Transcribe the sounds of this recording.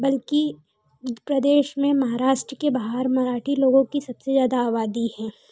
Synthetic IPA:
bɐlki | pɾɐd̪eːʃmẽmɐɦaːɾaːʃʈɾəkebaɦəɾmɐɾaːʈʰiloːɡõkisɐbsezjaːd̪aːʋaːd̪ihɛ̃ː

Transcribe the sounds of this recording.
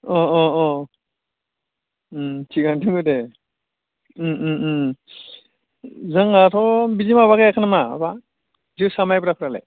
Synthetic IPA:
ɔɔɔ | tʰiɡantʰɯŋɡɯde | zaŋatʰɔbizimaβaɡajakʰanama̰ba | zisamajbɾapʰɯɾalḛj

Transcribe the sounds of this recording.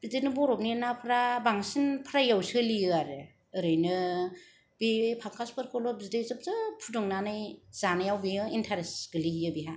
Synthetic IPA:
b̥idenɯbɔɾɔp̚ninapʰɾabaŋsinpʰɾajawsɯlijɯaɾɯ | ɯɾɯjnɯ | b̥ipʰaŋkʰaspʰɯɾkʰɔlɔbzidejzɯp̚zɯpʰudɔŋnanɯjz̥anɯjawbiɯintʰaɾesɡ̥ɯlijɯbiɦa

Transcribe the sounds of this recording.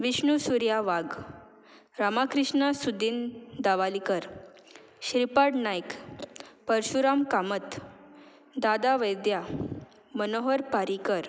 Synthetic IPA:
ʋiɕɳusuɾjaʋaɡ | ɾamakɾiʂɳasud̪ind̪aʋalikəɾ | ɕɾipaɽnajk | pəɾɕuɾamkamət̪ | d̪ad̪aʋəjd̪ja | mənoɦəɾpaɾikəɾ

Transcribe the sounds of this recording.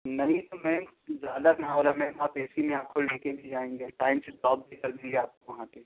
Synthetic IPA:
nɐɦĩt̪omɛ̃ːd͡ʒaːd̪akɦãoɾamɛ̃bɔːt̪ɛːsimẽãːkʰollekebʱid͡ʒaːẽŋɡeʈaːɪmseʈɔːb̚bʱikɐɾbeɡeaːp̚koʋɐɦãte

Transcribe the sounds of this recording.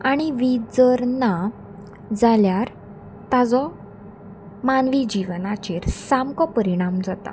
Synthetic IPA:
aɽ̃iʋid͡zəɾna | d͡zaljaɾ | t̪ad͡zɔ | manʋid͡ʑiʋənat͡ɕeɾsamkɔpəɾiɽ̃amd͡zat̪a̰

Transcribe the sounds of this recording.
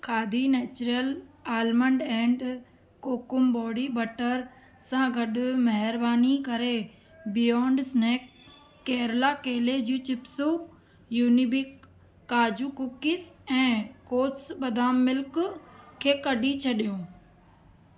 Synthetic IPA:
kʰaːd̪ʱineːt͡ɕɾijəlaːlmə̃ɳɖɛ̃ːɳɖ | koːkʊmbɔːɽibɐʈəɾ | sãɡʱɐɗʊmɐɦɪɾbaːnikɐɾe | bɪjɔ̃ːɳɖsneːkː | ɛːɾlakeːled͡ʑũːt͡ɕɪpso | juːnibɪkː | aːd͡ʑukʊkɪsɛ̃ːkoːʈsɓɐd̪ʱaːmːɪlkʊkʰːeːkɐɗit͡ɕʰɐɗijũː

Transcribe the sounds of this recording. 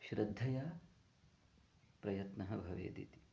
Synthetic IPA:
ʃɾɐd̪ʱːɐjɐ | pɾɐjɐt̪nɐɦɐbʱɐʋḛːd̪ḭt̪i̥

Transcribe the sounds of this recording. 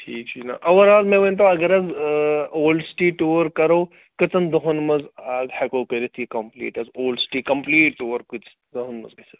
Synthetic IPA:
ʈʰiːk̚t͡ʃʰina̰ʔɐʋɐɾaːlmẽʋɐnt̪ɐ̃ɐɡɐɾɐz | oːlɖsʈiːʈuːɾkɐɾoː | kɨt͡sɐnd̪ɐɦunmɐzaɡhɛkoːkeɾit̪ʰikɐmplḭːʈɐzoːlɖsʈiːkɐmpliːʈːuːɐɾkut͡ʃ | d̪ɐɦunmɐ̰zkɐsɐ

